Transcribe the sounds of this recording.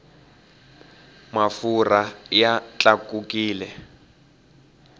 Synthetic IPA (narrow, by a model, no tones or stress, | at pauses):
mafurajat͡ɬʼakukiːlɛ